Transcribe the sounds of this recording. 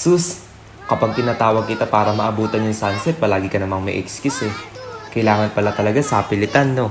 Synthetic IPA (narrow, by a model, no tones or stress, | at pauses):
sus | kɐpaɡ̚t̪ɪnaːt̪aːwɐɡ̚kɪt̪apaːɾɐmɐʔɐbuːt̪ɐnjʊŋsansɛt̪̚pɐlaːɡɪkɐnɐmaŋmɐ̰ʔɛkskjusɛkɐjlaːŋɐnpɐlat̪ɐlɐɡasɐpɪlɪt̪anːo̞